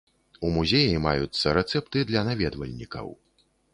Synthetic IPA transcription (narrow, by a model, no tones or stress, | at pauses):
umuzʲejimajut̪sːɐɾɛt̪sɛpt̪ɨd̪lʲɐnavʲɛd̪vɐ̰lʲnʲikɐ̰w